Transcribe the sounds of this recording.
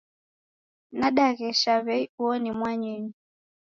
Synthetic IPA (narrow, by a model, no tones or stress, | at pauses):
naɗaɣɛʃaβɛiuɔnimwaɲɛɲi